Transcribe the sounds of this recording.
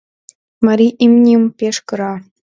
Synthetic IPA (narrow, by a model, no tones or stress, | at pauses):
mɑɾʲiʔimnʲiumpʲeʃkɤ̆ɾɑ